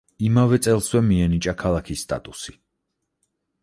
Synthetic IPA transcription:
imavɛt̪sʼɛlˠswɛmiɛnit͡ʃʼakʰalˠakʰisːt̪ʼa̰t̪ʼusi

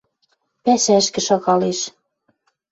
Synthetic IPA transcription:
pæsæɘʃkɘ̆ʃɑɣɑleʃ

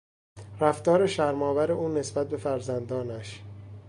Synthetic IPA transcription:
ɾæft̪ɒːɾeʃæɾmɒːvæɾe̞ʔuːne̞sbæt̪̚be̞fæɾzænd̪ɒːnæʃ

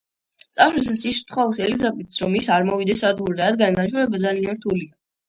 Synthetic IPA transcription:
t̪sʼaʃwisasist̪ʰχɔsɛlizabit̪sɾɔmisaɾmɔvid̪ɛsɾad̪ɡuɾd̪aad̪ɡanimaʃʰɔɾɛbad̪zalinɛɾt̪ʰulia

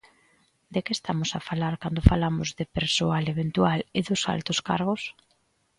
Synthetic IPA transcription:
d̪ekeːst̪amʊsafalaɾkand̪ʊfalamʊzðepeɾsoaleβent̪ualeðʊsa̰lt̪oska̰ɾɣ̞os

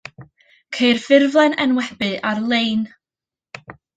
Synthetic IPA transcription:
kʰeɨrfɪrvlˠɛnɛnwɛbɨʔarlˠejn

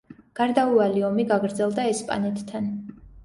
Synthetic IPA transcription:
ɡ̥aɾd̪aualiɔmiɡaɡɾd̪zɛlˠd̪aɛspʼa̰nɛt̪ʰːan

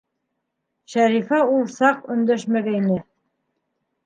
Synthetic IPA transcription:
ʃæɾifæulˠsɑqɵ̆nd̪æʃmæɡæinɘ

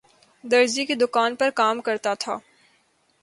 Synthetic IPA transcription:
d̪ɐɾzikid̪ʊkaːnpɐɾkaːmkɐɾt̪at̪ʰa̰ː

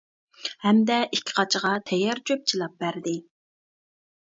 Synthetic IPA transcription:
hɛmd̪ɛʔikʲʰːɪ̥qʰɑt͡ʃʰʁɑt̪ʰɛjːɑɾt͡ʃʰøp̚t͡ʃʰilˠɑp̚bæɾd̪ɪ

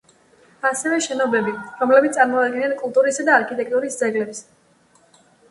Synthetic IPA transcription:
asɛvɛʃɛnɔbɛbiɾɔmlɛbit̪ʼaɾmɔad̪̚ɡɛnankʼulˠt̪ʼuɾisad̪aːɾkʰit̪ʼɛk̚ʰʼt̪ʼuɾisd̪zɛɡlɛps

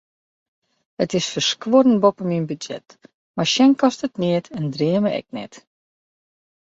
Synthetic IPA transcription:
ətɪsfərskwoɾən̩bopəminbydd͡ʒɛ̰t | marʃɛnkɔstətnɪətʰɛndriəməʔɛ̰k̚nɛ̰t

